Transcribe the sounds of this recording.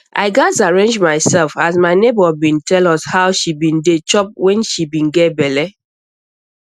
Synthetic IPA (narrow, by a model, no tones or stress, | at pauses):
ʔa̰ɪɡasaɹẽnd͡ʒmaɪsɛlfhazmaɪnebɔbĩntɛlɔshaʊʃibĩndet͡ʃɔp̚wɛ̃nʃibĩnɡɛt̚bɛlɛ